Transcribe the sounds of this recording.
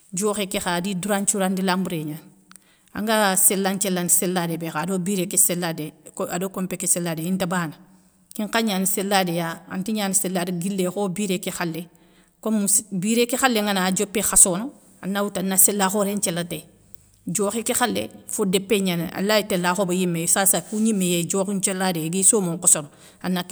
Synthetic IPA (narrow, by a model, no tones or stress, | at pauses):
d͡ʒoːxekexadiduɾaɲt͡ʃuɾandilambuɾeːɲan | ã̰ŋɡaselːaɲt͡ʃɛlːaniselːadebexaːdobiɾekeselːadekadoːkompekːeselːadeintabaːna | kiŋkaɲaːniselːadejaa̰ntiɲaːniselːadiɡilːexobiːɾekexalːe | komusbiːɾekexalːeŋanaːd͡ʒopːexasoːno | anːawutanːaselːaxoɾeɲt͡ʃɛlːate | d͡ʒoːxikexalːḛfodɛpːeɲaneʔa̰lːaitelːaːxobajimːesaːsakuɲimːejed͡ʒoːxiɲt͡ʃɛlːadeɡisoːmoŋkɔsoɾo | anːak